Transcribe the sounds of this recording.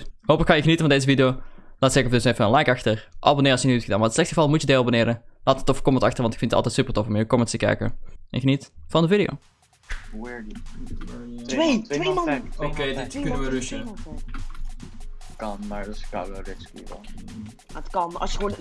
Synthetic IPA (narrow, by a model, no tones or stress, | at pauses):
ɦoːpləkːɑjəxənitəvɑndeːzəvidɪjoːlaːtsɛkɔfdøsefəənlɛjkɑxtərʔɑbonɪːɾɑsjəniytxədaːnmaətslɛxtəɣə̥vɑlˠmutjədeːabonɪːɾəlaːtətːɔfkɔmətɑxtərʋɑntɪkfɪntətɑ̰lˠtɛtsypərtɔfɔmjəkɔmətstəkɛ̰jkə̰ɛnxənitvɑndəvidɪjo̰ː | wɛɹ | eeokedknəʋərsmtɛk | kɑnmaɹdska̰lorɛskiɛ̰l | aətkɑnɑ̰sjəon